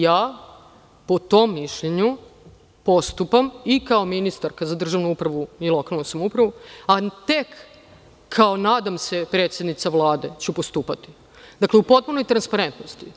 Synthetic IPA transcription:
jaː | pot̪o̞mːiʃʎeɲu | post̪upamikaominist̪aɾkazad̪r̩ʒaʋnuupɾaʋuilˠo̞kalˠnusamoupɾaʋuat̪e̞kʰː | aonaːd̪amse̞pɾe̞ːt̪sʲjed̪nit̪saʋlˠaːd̪e̞t͡ɕupost̪uːpat̪i̥ | d̪akleupo̞t̪̚punojt̪ɾanspaɾe̞nt̪nost̪i

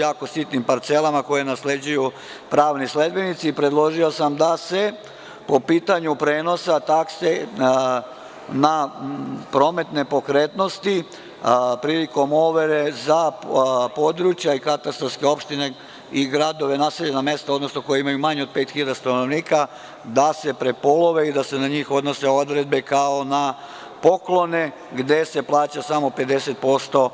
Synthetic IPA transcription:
jaːko̞sit̪nimpaɾt̪selamako̞je̞nasle̞d͡ʑuju | pɾaːʋnisled̪̚be̞nit̪siːpɾe̞d̪lˠo̞ʒiosamd̪ase̞ | po̞piːt̪aɲupɾeːno̞sat̪akse | na | pɾo̞me̞t̪ne̞po̞kɾeːt̪no̞st̪i | pɾiliko̞mo̞ʋeɾezapo̞d̪ɾut͡ɕjaikat̪ast̪ɾaskeo̞pʃt̪ine̞ | iɡɾad̪o̞ʋe̞naːseʎename̞st̪aod̪no̞snoko̞jeimajumaɲeod̪̚peːt̪xilʎad̪ast̪anoʋniːka | d̪ase̞pɾe̞po̞lo̞ʋe̞id̪ase̞naɲiːxo̞d̪no̞se̞o̞d̪ɾed̪̚be̞kao̞na | po̞klo̞ne | ɡd̪e̞se̞plˠaːt͡ɕasamo̞pe̞d̪e̞se̞t̪̚po̞st̪o̞

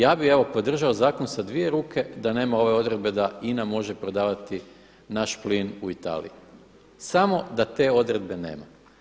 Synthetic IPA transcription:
jaːbixe̞ʋo̞po̞d̪r̩ʒaozaːkonsad̪ʋije̞ɾuːkʰe̞d̪ane̞ːmao̞ʋe̞o̞d̪ɾe̞d̪̚be̞d̪ainamo̞ʒe̞pɾo̞d̪aːʋat̪i | naʃplinuit̪a̰ːlḭji | samo̞d̪at̪e̞ːo̞d̪ɾe̞d̪̚be̞ne̞̰ːma̰

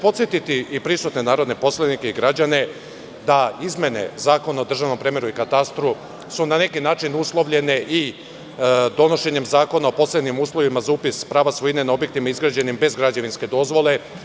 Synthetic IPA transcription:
po̞t̪sjet̪it̪iipɾisut̪ne̞naːɾo̞d̪ne̞po̞slˠanike̞iɡɾad͡ʑane̞ | d̪aizmʲje̞ne̞̰zaːko̞nao̞d̪r̩ʒaʋno̞mpɾemeɾuikat̪ast̪ɾu | sunane̞kinaːt͡ʃinuslˠo̞ʋʎe̞ne̞ʔi | d̪o̞no̞ʃe̞ɲe̞mzaːko̞nao̞po̞sled̪nimuːslˠo̞ʋimazauːpispɾaːʋasʋojinenao̞bje̞k̚t̪imaizɡɾad͡ʑe̞nimbe̞zɡɾad͡ʑaʋinske̞d̪o̞zʋo̞le̞

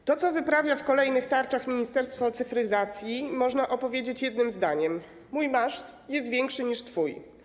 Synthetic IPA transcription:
t̪ɔt̪sɔvɘpɾavʲjafkɔlɛjnɘxt̪aɾt͡ʂaxmʲiɲist̪ɛɾst̪fɔt̪sɘfɾɘzat̪sʲjimɔʐnaʔɔpɔvʲjed͡ʑet͡ɕjɛd̪̚nɘmzd̪aɲɛmː | ujmaʂt̪ | jɛst̪vʲjɛŋkʂɘɲiʂt̪fuj

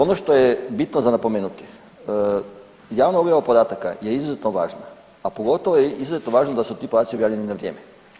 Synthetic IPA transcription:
onoʃt̪ojebit̪nozanapomeːnut̪i̥ | jaːʋnoobjaʋapod̪aːt̪aka̰jeizuzet̪noʋa̰ːʒnaː | po̞ɡo̞t̪oʋojeizuzet̪noʋaːʒnod̪asut̪iːpod̪aːt̪sio̞bjaːʋʎeninaʋɾʲjeːme

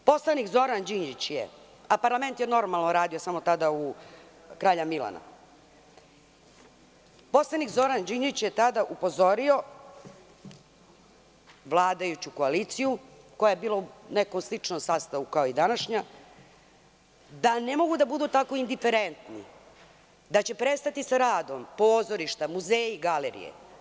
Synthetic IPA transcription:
po̞slˠanikzo̞ɾand͡ʑiɲd͡ʒit͡ɕjḛ | apaɾlame̞nt̪jeno̞ɾmalˠnoɾaːd̪iosamo̞t̪ad̪au | kɾaːʎamila̰na̰ | po̞slˠanikzo̞ɾand͡ʑiɲd͡ʒit͡ɕjet̪ad̪aʔupo̞zo̞ɾio̞ | ʋlˠaːd̪ajut͡ɕuko̞alit̪siju | ko̞jajebiːlonekomslit͡ʂnomsaːst̪aʋukaoid̪anaʃɲa | d̪anemo̞ɡud̪abud̪ut̪ako̞ind̪ife̞ɾent̪nḭ | d̪at͡ɕe̞pɾe̞st̪at̪isaɾaːd̪o̞mpo̞ːzo̞ɾiʃt̪amuzeːjiɡaleɾḭjḛ

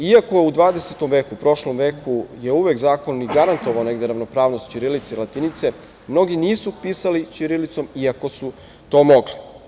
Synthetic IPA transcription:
iako̞jeud̪ʋaːd̪eset̪o̞mʋe̞ːkupɾo̞ʃlo̞mʋe̞ːkʰuje̞uʋekzaːkonːiɡaɾant̪o̞ʋaone̞ɡd̪e̞ɾaʋno̞pɾaːʋno̞st̪t͡ɕiɾilit̪seilat̪init̪se̞ | mno̞ɡiniːsupiːsalit͡ɕiɾilit̪so̞miako̞su | t̪o̞ːmo̞ɡli

